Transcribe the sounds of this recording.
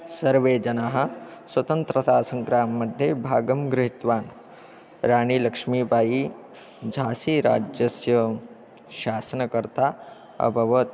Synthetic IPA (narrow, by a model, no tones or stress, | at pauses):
sɐɾʋeːd͡ʒɐnaɦɐ̆sʋɐt̪ɐnt̪ɾɐt̪aːsɐ̃ŋkɾaːmːɐd̪ʱjebʱaːɡɐmɡɾɪɦit̪ʋaːn | ɾaːniːlɐkʂmiːbʱaːji | d͡ʒʱaːsiːɾa̰ːd͡ʒjɐsjɐ | ʃaːsɐnɐkɐɾt̪aː | ɐ̰bʱɐʋɐt̪